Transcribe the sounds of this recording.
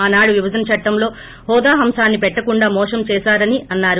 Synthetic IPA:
aːnaːɽuʋibʱɐd͡ʒ̪ɐnɐt͡ʃɐʈːɐmlo̞ː | hɔːd̪aːɦɐmʃaːnːipɛʈːɐkuɳɖaːmɔːʂɐmt͡ʃɛːʃaːɾɐniɐnːaːɾu

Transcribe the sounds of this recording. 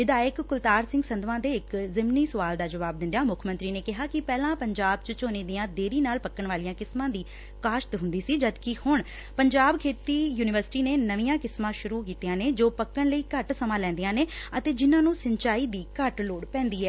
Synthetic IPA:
ʋɪd̪aːjəkːʊlt̪aːɾsɪ̃ŋɡsənd̪ʋãːd̪eːɪkzɪmniːsəʋaːld̪aːd͡ʒəʋaːb̚d̪ɪ̃nd̪jaːmʊkʰmənt̪ɾiːneːkɪɦaːkɪpɛːlãːpəɲd͡ʒaːb̚t͡ʃət͡ʃoːneːd̪iːãːd̪eːɾiːnaːlpəkːəɳʋaːlijãːkɪsmãːd̪iː | kaːʃt̪ɦʊ̃nd̪iːsiːd͡ʒəd̪kɪhʊɳ | pəɲd͡ʒaːbkʰeːt̪iːjuːnɪʋəɾsɪ̥ʈiːneːnəʋiːãːkɪsmãːʃʊɾuːkiːt̪ijãːneːd͡ʒoːpəkːəɳləiːkəʈsəmãːlɛ̃ːnd̪ijãːneːət̪eːd͡ʒɪnãːnũːsəɲt͡ʃaːiːd̪iːkəʈloːɽpɛ̃ːnd̪iːɛː

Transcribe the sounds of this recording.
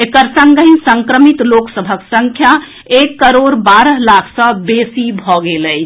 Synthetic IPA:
ekəɾsəŋɡəɦinsəŋkɾəmit̪loksəbʱəksəŋkʰja | ekːəɾoɾbaɾəɦlakʰsə̃besibʱɔɡeləjʰ

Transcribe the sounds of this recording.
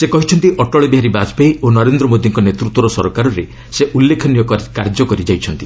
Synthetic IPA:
sekɔɦit͡ʃʰɔnt̪iʔɔʈɔɭɔbiɦaɾibad͡ʒbejonɔɾend̪ɾɔmod̪ʱiŋkɔnet̪ɾut̪wɔɾɔsɔɾɔkaɾɔɾe | seʔulːekʰɔnijɔkkaɾd͡ʒɔkɔɾid͡ʒajt͡ʃʰɔnt̪i

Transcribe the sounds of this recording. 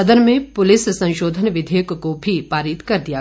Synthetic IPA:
ɐd̪əɾmẽpʊlɪssɐ̃ʃoːd̪ʱənʋɪd̪ʱeːkkobʱipaːɾɪt̪kɐɾd̪ija

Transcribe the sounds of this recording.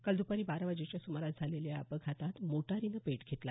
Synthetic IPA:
kəld̪upəɾiːbaɾʋad͡ʑet͡ɕjasuməɾat̪̚d͡zʱaleljaapəɡʰʱat̪at̪moʈaɾinəpeʈɡʱet̪la̰

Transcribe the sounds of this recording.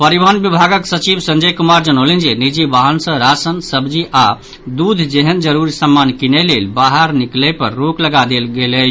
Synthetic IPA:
pəɾibənbibʱaɡəksət͡ʃibsə̃nd͡ʒəjkumaɾd͡ʒənolind͡ʒenid͡ʒibaɦənsə̃ɾasənsəbd͡ʒiʔa | d̪ud̪ʱd͡ʒeɦənd͡ʒəɾuɾisəmːankinelelbaɦəɾniklepəɾːokləɡad̪elɡelə

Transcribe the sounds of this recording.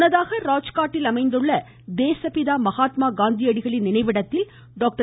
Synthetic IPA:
nɐðaːɣɐɾaːt͡ʃkaːʈːɪlɐmɐɪnd̪ɯɭːɐ | d̪eːsɐpɪðaːmɐɣaːt̪maːɡaːnd̪ijɐɽɪɣɐɭɪnːɪnɐɪʋɪɽɐt̪ːɪl | ɖoːk̚ʈɐ

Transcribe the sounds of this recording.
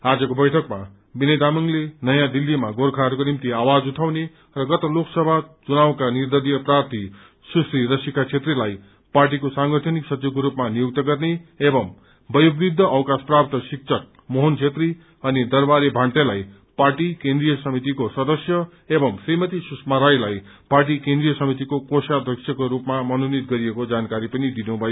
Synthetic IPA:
ad͡zʌkobʌjʈʰʌkma | binʌjd̪amʌŋlenʌjãd̪ilːimaɡorkʰaɾkonimt̪iawad͡zuʈʰawne | rʌɡʌt̪ʌloksʌbʱat͡sunawkanird̪ʌɾijʌprart̪ʰi | susriɾʌsikat͡sʰet̪rilaj | parʈ̬ikosaŋɡʌʈʰʌniksʌt͡sukoɾupmanijok̚t̪ʌɡʌrneebʌm | bʌjobrid̪ʱːʌʔʌwkasprapt̪ʌsik̚t͡sʰʌk̚ | moɦont͡sʰet̪ri | ʌnid̪ʌrbaɾebʱãɳʈelaj | parʈikend̪rijʌsʌmit̪̬ikosʌd̪ʌsjʌ | ebʌmsrimʌt̪isusmaɾajlaj | parʈikend̪rijʌsʌmit̪ikokosad̪rʌksʰjʌkoɾupmamʌnonit̪̚ɡʌɾijekod͡zankaɾipʌnid̪inubʱʌjo

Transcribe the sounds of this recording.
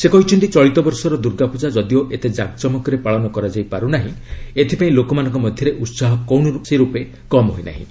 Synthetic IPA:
sekɔɦit͡ʃʰɔɳʈit͡ʃɔɭit̪ɔbɔɾsɔɾɔd̪uɾɡapud͡ʒad͡ʒɔd̪ioʔet̪ed͡ʒak̚d͡ʒɔmɔkɔɾepaɭɔnɔkɔɾad͡ʒajpaɾunaɦĩet̪ʰipaĩlokɔmanɔ̃ŋkɔmɔd̪ʱjɔɾeʔut̪saɦɔkɔwɳɔuseɾupe | kɔmɦo̰jna̰ɦḭ̃

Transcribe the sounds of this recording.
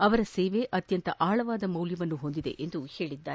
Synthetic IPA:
ɐʋɐɾɐseːʋe̞ʔɐt̪jɐnt̪ɐʔaːɭɐʋaːd̪ɐmɐwljɐʋɐnːuɦo̞nd̪id̪e̞̰ʔend̪uhe̞ːɭid̪ːaːɾe

